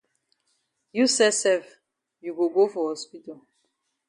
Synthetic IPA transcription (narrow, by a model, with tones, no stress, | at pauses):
ju˦sɛ˦sɛ˦v | ju˨ɡo˨ɡo˦fɔ˨hɔ˨spi˦tɔ˨